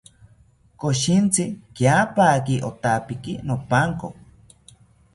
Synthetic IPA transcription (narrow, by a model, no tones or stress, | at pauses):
koʃint͡sikjapakiʔot̪apikinopaŋko